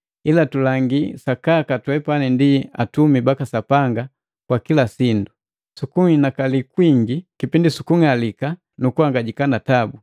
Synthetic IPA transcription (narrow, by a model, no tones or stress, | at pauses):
ilatulaŋɡisakakatwɛpanindiatumibakasapaŋɡa | kwakilasindu | sukuŋinakalikwiŋɡikipindisukuŋalika | nukuwaŋɡaɟikanatabu